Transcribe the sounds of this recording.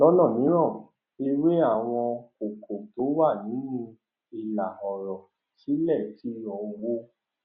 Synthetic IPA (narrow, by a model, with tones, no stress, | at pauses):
lɔ˦nɔ̃˦˨nĩ˨˦ɾ̃ɔ̃˦˨ | e˧we˦a˦˨w̃ɔ̃˧ko˨kʰo˨to˨˦wa˦˨nĩ˨˦nĩ˧ | i˧˨la˨ɔ˨ɾɔ˨ | ti˨˦lɛ˦˨ti˨˦ɾɔ̃˨˧wo˦